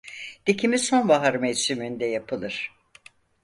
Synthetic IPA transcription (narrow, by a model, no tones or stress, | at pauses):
d̪̥icʰimizso̞nvaɦaɾmɛd͡ʒsymind̪ɛjapʰɯlˠɯɾ̥